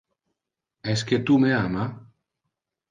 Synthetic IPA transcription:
esket̪umeama

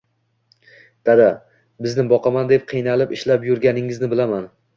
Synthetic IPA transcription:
d̪̥ad̪a | bɪznɪbɒqʰɑmand̪e̞p̚qʰɨjnalɪpɪʃlapjʊɾɡʲanɪŋɪznɪbɪlaman

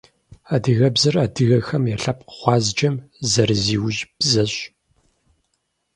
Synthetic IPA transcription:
adɨɣɐbzɨraːdɨɣɐxɐmjɛɬɐp̚qə̥χʷɑːzd͡ʒʼɐmzɐɾɨziːwʒb̥zɐɕ

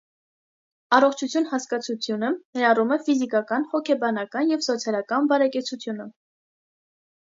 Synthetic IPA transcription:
ɑrɔχt͡ʃʰut͡sʰjunhɑskɑt͡sʰut͡sʰjunənɛɾɑrumɛfizikɑkɑnhɔkʰɛbɑnɑkɑnjɛvsɔt͡sʰjɑlˠɑkɑnbɑɾɛkɛt͡sʰut͡sʰjunə

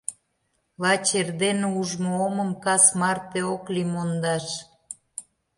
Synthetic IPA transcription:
lɑt͡ɕerd̪enuʒmooməmkɑsmɑrt̪eoklimond̪ɑʃ

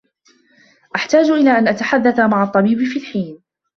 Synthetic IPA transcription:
ʔaħt̪aːd͡ʒʔɪlaːʔanʔat̪aħad̪ːaθmaʕɑt̪ˤːɑbiːbɪfiːlħiːn

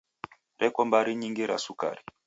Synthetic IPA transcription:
ɾʔɛkɔmbaɾiɲiŋɡiɾa̰suka̰ɾi

